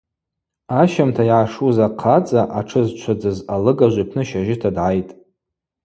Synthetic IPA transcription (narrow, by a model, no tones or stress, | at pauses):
aʃamtʰaiʕaʂuzaqʰat͡sʼaʔaʈ͡ʂʰɨzt͡ʃʷʰad͡zɨzalɨɡaʒʷipʰnɨʃaʒɪtʰadʕajtʼ